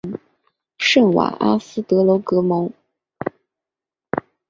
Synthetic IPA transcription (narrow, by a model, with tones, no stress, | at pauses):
ʂə˥˩nwa̰˨˩ʔa˥sɹ̩˥t̪ɤ˧˥lo˧˥ʊkɤ˧˥mɤ˧˥ŋ